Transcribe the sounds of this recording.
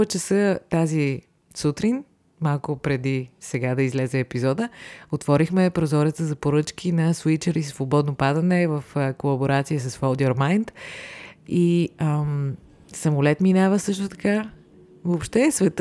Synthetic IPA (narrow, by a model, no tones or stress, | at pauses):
ɛt͡ʃɛsət̪azi | sut̪ɾin | malˠkʊpɾɛd̪isɛɡad̪ɐizlɛzɛːpizɔd̪əot̪vɔɾixmɛpɾozɔɾət̪əzɐpoɾɤt͡ʃk̟ʰinɐswit͡ʃəɾisvobɔd̪nopad̪ənɛvəfəkolˠɐboɾat̪sijəsəsfɔlˠd̪ʲɔɾmajnt̪ | iəm | sɐmʊlɛt̪minavəsɤʃt̪ʊt̪ɐka | vopʃt̪ɛsvɛt̪